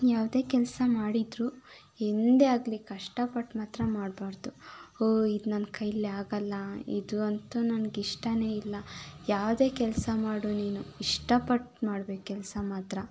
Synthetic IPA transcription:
jaːʋd̪e̞ːkɛlsɐmaːɽid̪ɾuː | end̪eaːɡlikɐʂʈɐpɐʈmaːt̪ɾɐmaːɖbaːɾd̪uoːid̪nɐnkʰɐjleaːɡɐlːɐḭd̪uɐnt̪unɐnɡiʂʈɐne̞ːilːɐjaːʋd̪e̞ːkɛlsɐmaːɽuniːnuiʂʈɐpɐʈmaːɽbekkɛlsɐmaːt̪ɾɐ

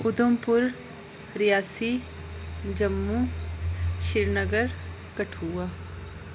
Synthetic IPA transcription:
ʊd̪əmpʊɾ | ɾɪjaːsiː | d͡ʒəmːu | ʃɪɾnəɡəɾ | kəʈʰuːaː

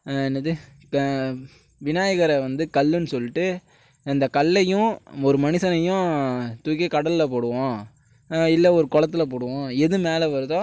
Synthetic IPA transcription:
ɛnːɐðɯ | ʋɪnaːjɐɣɐɾɐʋɐnd̪ɯkɐlːɯnɯsɔlːɪʈːɯ | ɐnd̪ɐkɐlːɐjʊ̃ɔɾɯmɐnɪsɐnɐjʊ̃t̪ʊkːɐkɐɽɐlɪlɐp̬oːɽɯʋõː | ɪlːɛɔɾɯkɔɭɐt̪ːɪlɐpoːɽɯʋõɛðɯmeːlɛʋɐɾɯðõː

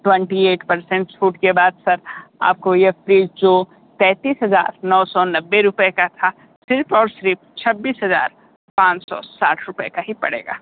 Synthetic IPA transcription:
ʈwɛ̃ɳʈieːʈpɐɾsɛ̃ɳʈt͡ʃʰuːʈkebaːd̪sɐɾa̰ːp̚kojefɾiːzd͡ʒoː | t̪ɛ̃ːt̪iːsɦɐza̰ːɾnɔːsɔnɐbːeɾʊpekat̪ʰa | sɪɾpɔːɾsɾɪp̚t͡ʃʰɐbːiːsɦɐza̰ːɾ | pãːt͡ʃsɔ̰saːʈʰɾʊpekaɦipɐ̰ɽḛːɡa̰ː

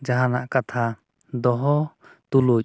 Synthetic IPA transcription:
d͡ʒaɦanaʔkat̪ʰa | d̪ɔɦɔt̪uluc

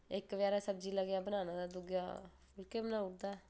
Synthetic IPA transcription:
ekʋjaːɾɛsəb̚d͡ʒiːləɡjaːbənaːnaːd̪aːd̪ʊɡjaː | ɪlkebənaːʊkd̪aː

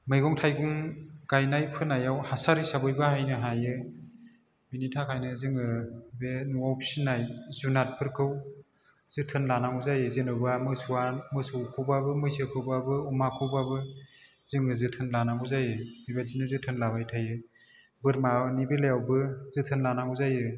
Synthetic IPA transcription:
mɯjɡɔŋtʰajɡuŋɡ̥ajnajpʰɯnajawhasaɾisabɯjbahajnɯɦajɯ | binitʰakʰajnɯzɯŋɯbenuawpʰsinːajzunat̚pʰɯɾkʰɯw | z̥ɯtʰɯnlanamuzajɯzenɯwbamɯsuamɯsuwkʰɯwbabɯmɯjsɯkʰɯwbabɯumakʰɯwbabɯ | zɯŋɯzɯtʰɯnlanaŋuzajɯijbazinɯzɯtʰɯnlabajtʰajɯ | bɯɾmanibelejawbɯz̥ɯtʰɯnlanaŋuzajɯ

